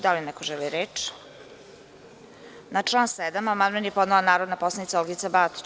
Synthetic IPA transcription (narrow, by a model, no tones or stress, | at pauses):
d̪alinɛkoʒɛliɾeːt͡ʃ | nat͡ʂlˠaːnsɛd̪amamanʋenjepod̪nelonaːɾod̪naposlˠanit̪saolɡit̪sabat̪